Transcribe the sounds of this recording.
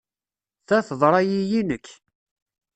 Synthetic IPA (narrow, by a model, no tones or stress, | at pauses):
θæθəðˤɾˤɑjijinəkː